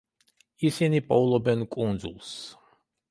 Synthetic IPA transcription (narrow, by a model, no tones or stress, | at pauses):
isinipʼɔulˠɔbɛnkʼund̪zṵlˠs